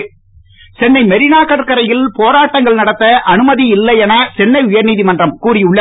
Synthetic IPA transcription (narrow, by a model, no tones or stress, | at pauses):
sɛnːɐɪmɛɾɪnaːkɐʈkɐɾɐjɪlpoːɾaːʈːɐŋɡɐɭnɐɽɐt̪ːɐʔɐnɯmɐðiɪlːɐjɛnɐsɛnːɐɪʊjɐɾniːðimɐndrɐmkuːɾɪʊɭːɐ